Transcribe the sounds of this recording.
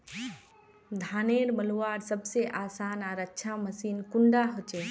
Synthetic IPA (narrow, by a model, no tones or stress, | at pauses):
d̪ʱaːneɾməluʋaːɾsəbseʔaːsaːnaːɾətːʃʰaməsiːnkʊɳɖaɦot͡ʃeː